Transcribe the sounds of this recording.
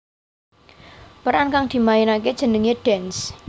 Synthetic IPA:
pəɾankaŋd̪̥i̤maɪnaked̥ʒ̥ə̤nəŋeɖ̥ɛns

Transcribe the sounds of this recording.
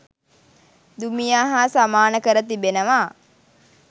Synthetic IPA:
d̪umijaːɦasamaːnəkəɾət̪ibenəʋaː

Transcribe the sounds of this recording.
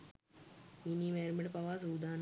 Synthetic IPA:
minimeːɾmɐɖpɐʋaːsuːd̪aːn

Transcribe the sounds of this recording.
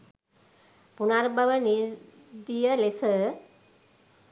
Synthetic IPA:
punaɾbɐʋəni | d̪ijəlesə

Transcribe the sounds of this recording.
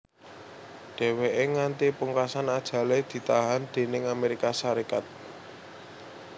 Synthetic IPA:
ɖ̥e̤weʔeŋant̪ipuŋkasanad̥ʒ̥ä̤led̪̥i̤t̪aɦand̪̥e̤nɪŋameɾikasaɾikat̪̚

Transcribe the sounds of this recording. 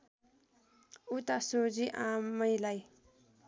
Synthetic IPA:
ut̪asoziʔãmʌjlaj

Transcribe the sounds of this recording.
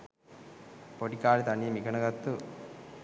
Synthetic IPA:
poʈikaːlit̪ɐnijɐmiɡɐɳɐɡɐt̪ːu

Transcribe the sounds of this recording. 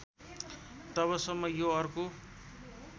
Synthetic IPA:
t̪ʌβʌsʌmːʌjoʌrko

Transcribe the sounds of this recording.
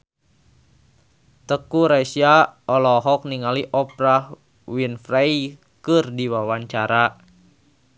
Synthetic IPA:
t̪əkuɾasjaɔlɔɦɔk̚niŋaliʔɔpɾah | winfɾai | kɨrdiwawaɲt͡ʃaɾa

